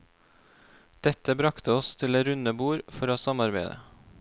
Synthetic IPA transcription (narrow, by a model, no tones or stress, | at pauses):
d̪̥ɛt̪əbɾɑkt̪ʰəɔst̪ʰɪleːɾʉnəbuːɾfɔɾoːsɑmɑɾbeɪd̪ə̰